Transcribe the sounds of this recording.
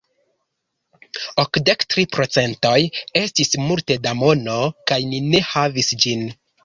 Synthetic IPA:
okde̞ktɾipɾo̞t͡se̞nto̞je̞stismulte̞damo̞no̞kajnine̞havisd͡ʒin

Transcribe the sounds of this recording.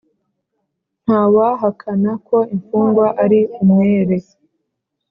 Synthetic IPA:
n̥haːwaɦakʰanako̞iɱfuːŋɡwaʔaɾiumeɾe

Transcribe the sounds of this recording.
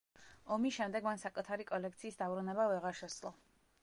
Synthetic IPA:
ɔmiʃɛmd̪ɛɡmansakʼut̪ʰaɾikʼɔlɛkt̪sʰiːsd̪abɾunɛbavɛʁaɾʃɛslˠɔ

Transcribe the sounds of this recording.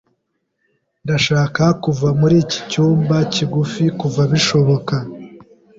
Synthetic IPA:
ndaʃaːkakuvamuɾiːci̥cuːmbaciɡufikuvaβiʃo̞βo̞ka

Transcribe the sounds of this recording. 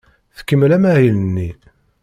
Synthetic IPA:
θkːəmːlæmæʕjlənːi

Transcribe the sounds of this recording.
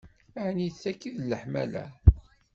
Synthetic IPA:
æʕniθækːiðlːəħmæ̰læ̰

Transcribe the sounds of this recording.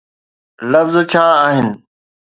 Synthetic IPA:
ləfzt͡ɕʰaːaːɦɪnɪ̆

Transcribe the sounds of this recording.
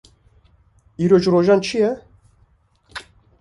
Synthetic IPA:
iɾot͡ʃɾoʒant͡ʃʰijɛ

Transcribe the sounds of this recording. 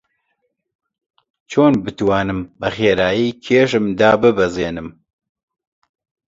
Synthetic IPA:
t͡ʃʰoːnbɨt̪waːnɨmbɛxeːɾaːjiːkʰeːʃ̬ɨmd̪aːbɨbɛzeːnɨm

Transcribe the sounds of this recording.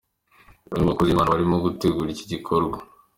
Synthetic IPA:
oiɡakozimaːnaβaɾimoɡuteɡuːɾici̥ɟikʰoɾɡwa

